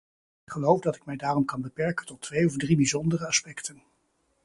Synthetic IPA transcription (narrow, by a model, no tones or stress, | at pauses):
ɪkχəlowvdɑtɪkmɛjdaːrɔmkɑnbəpɛɹkəntɔtʰʋejɔvdribizɔndərəɑspɛktən